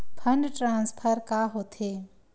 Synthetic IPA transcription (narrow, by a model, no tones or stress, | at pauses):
pʰɐ̃ɳɖʈɾãːnspʰəɾkaːɦoːt̪ʰeː